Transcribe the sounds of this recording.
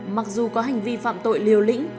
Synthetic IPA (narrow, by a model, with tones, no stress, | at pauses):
ma˨˩k̚zu˨˩kɔ˨˦ɦa˨˩jŋ̟vi˧fa̰ː˧˨mt̪o̰˧˨jli˨˩əwlḭ̈˧˥ŋ̟